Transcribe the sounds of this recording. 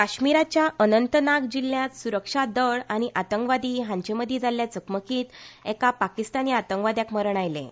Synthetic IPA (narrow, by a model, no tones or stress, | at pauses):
kaɕmiɾat͡ɕjaʔənənt̪ənakd͡ʑilːjãt̪suɾəkʂad̪əɭaɽ̃iʔat̪əŋkʋad̪iɦãɲt͡ɕeməd̪ʱːjed͡zaljat͡səkməkiːt̪ɛkapakist̪aniat̪əŋkʋad̪jakməɾɳ̃ajlḛ